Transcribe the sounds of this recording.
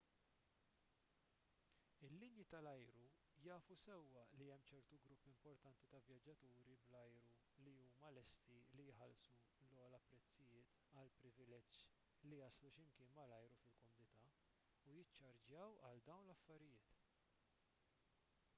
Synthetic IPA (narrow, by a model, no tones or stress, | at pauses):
ɪlːɪnjit̪ɐlɐjɾu | jɐːfusɛwːɐliɛmːt͡ʃɛɾt̪uɡɾʊpːɪmpɔɾt̪ɐnt̪it̪ɐvjɐd͡ʒːɐt̪uːɾiblɐjɾu | liuːmɐlɛst̪ilijħɐlsulɔːlɐpɾɛt͡sːɪjɪːt̪ | ɐlpɾɪvɪlɛd͡ʒː | lijɐsluʃɪmkɪːnmɐlɐjɾufɪlkɔmʊnɪt̪ɐ | ujɪt͡ʃːɐɾd͡ʒjɐwɐ̰ld̪ɐwnlɐfːɐɾɪjɪːt̪